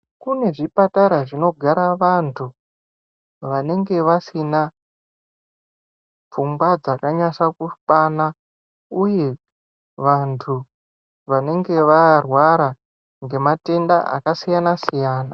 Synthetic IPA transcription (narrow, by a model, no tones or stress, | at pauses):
kune̞ʐipataɾaʐino̞ɡʱaɾaʋantʰu | ʋane̞ŋɡe̞ʋasina | p͡fumɡwad͡zakaɲaʃakupana | uje̞ | ʋantʰu | ʋane̞ŋɡe̞ʋarwaɾa | ŋɡe̞mate̞ndaʔa̰kasijanasijaːna